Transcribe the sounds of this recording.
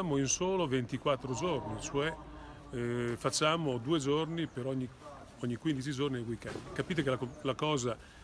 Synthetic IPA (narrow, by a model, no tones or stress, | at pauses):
aːmoinsoːlovent̪ikwat̪ːɾod͡ʒornit͡ʃoɛ | fat͡ʃːaːmod̪uːed͡ʒornipeɾɔɲːi | ɔɲːikwind̪it͡ʃid͡ʒornieɡwikːɛ̰nt̪ikapiːt̪ekelalakɔːza